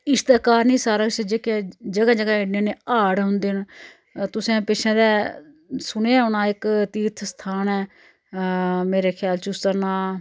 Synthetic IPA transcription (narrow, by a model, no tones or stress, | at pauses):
ɪst̪ɛːkaːɾnĩːsaːɾəksəd͡ʒeːked͡ʒəɡãːd͡ʒəɡãːɪɖnẽːneːaːɽɦʊ̃nd̪eːn | t̪ʊsẽːpɪt͡ʃʰẽːd̪ɛː | sʊñeːɦʊnaːɪkt̪iːt̪ʰst̪ʰaːnɛː | meːɾeːkʰjaːlt͡ʃʊst̪əɾnaː